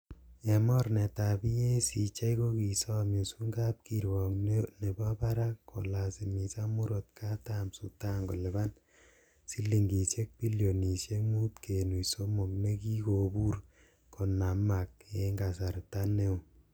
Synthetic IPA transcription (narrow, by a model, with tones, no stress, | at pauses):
e˨mɔ˦ɾne˨ta˨bi˦je˦si˨t͡ʃa˦iko˦ki˨sɔ˦mi˨su˦ŋɡa˦p̚ki˨ɾwɔ˨knne˨ba˦pa˦ɾa˦kko̰˨la˨si˨mi˨sa˦mu˦ɾo˨t̚ka˦ta˦msu˨ta˦ŋɡo˨lɪ˨ba˦n | si˦li˨ŋɡi˨se˦k̚pi˦ljo˨ni˨sje˦mu˦tkʰe˨nu˨iso˦mo˨k̚ne˦ki˦ko˨bu˦r | kʰo˨na˨ma˨k̚e˨ŋɡa˨sa˨ɾta˦ne˦o˨